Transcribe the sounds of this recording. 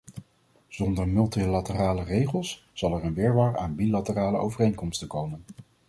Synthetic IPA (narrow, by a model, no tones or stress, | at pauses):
z̥ɔndəɹmɵlˠtilatəraːlərejχəlˠs | z̥ɑlˠɛɹənʋɪːɹʋaːɹaːnbilatəraːləowvərejŋkɔmstəkowmən